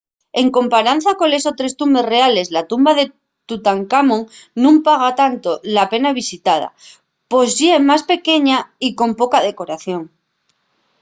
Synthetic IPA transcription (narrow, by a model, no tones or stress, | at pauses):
e̞ŋko̞mpaɾan̟θako̞le̞so̞t̪ɾe̞st̪umbe̞sre̞ale̞zlat̪umbaðe̞ | t̪ut̪aŋkamõŋnũmpaɣ̞at̪ant̪o̞lape̞naβ̞isit̪að̞a̰ | po̞zʝjemaspe̞ke̞ɲaiko̞mpo̞kaðe̞ko̞ɾaθjo̞ŋ